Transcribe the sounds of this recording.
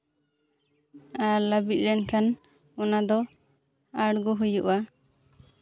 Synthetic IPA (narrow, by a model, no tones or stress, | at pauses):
aɾləbit̪̚lɛnkan | ɔnad̪ɔ | aɽɡuɦujuʔa